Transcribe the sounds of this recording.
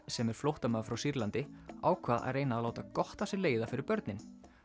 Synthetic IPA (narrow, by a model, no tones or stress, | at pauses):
sɛmɛɾ̥flowht̪amaːfɾawsiɾlant̪ɪaːwkʰvaːða̰ðreːjnaːðloːwt̪akɔht̪ḁsɪleːjðafɪɾɪɾpœɾt̪nɪn